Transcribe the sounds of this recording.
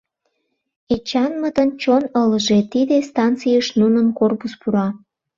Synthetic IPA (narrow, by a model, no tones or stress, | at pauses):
et͡ɕɑnmət̪ənt͡ɕonələʒet̪id̪est̪ɑnt͡sijəʃnunəmkorpuspuɾɑ